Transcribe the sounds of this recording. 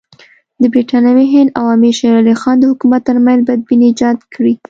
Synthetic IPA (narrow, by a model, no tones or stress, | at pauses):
d̪əbɾiʈɑnjaweɦɪnd̪awɑmiʃaɾɑlixɑnd̪əhʊkumat̪ːəɾmanzbɑajad̪̚bineːd͡ʒɑd̪kɽi